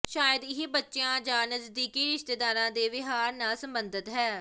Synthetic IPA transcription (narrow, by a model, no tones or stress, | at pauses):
ʃaːjəd̪ɪɦibətːʃɪjãːd͡ʒãːnəzd̪iːkiːɾɪʃt̪eːd̪aːɾãːd̪eːʋɪɦaːɾnaːsəmbənd̪ət̪ɦɛː